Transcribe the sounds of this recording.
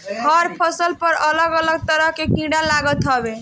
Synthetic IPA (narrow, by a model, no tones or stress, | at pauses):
ɦəɾpʰəsəlpəɾələɡələɡ̚t̪əɾəɦkekĩɽalaɡət̪ɦɔbe